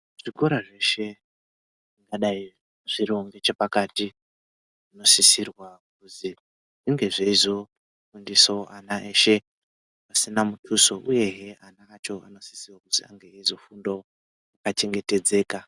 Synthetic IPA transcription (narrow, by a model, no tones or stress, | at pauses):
ʐ̥ikoɾaʐe̞ʃe̞ | ʐiŋɡaɗai | ʐ̥iɾo̞ŋɡe̞t͡ʃepakati | ʐino̞sisirwak̚uzi | ʐiŋɡe̞ʐeizo̞ | fundisoʔanaʔe̞ʃe̞ | pasinamutʰuso̞ʔuje̞ɦeanaːt͡ʃo̞ano̞si̥sirwakuzia̰ŋɡeaizo̞fundo | akat͡ʃe̞ŋɡe̞te̞d͡ze̞ːka